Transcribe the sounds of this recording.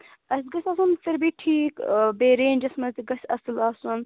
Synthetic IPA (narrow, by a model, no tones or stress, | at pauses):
ɐsɡɐsʲaːsunfɐɾbiʈʰiːkbeːɾeːnʲd͡ʒɐsmɐt̪iɡɐsʲɐ̰sɨlaːsɐn